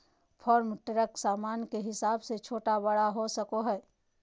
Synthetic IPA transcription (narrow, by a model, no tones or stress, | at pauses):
pʰɔːɾmʈəɾəksaːmaːnkeɦɪsaːbset͡ʃʰoːʈabɐɽaɦosəkoɦɛː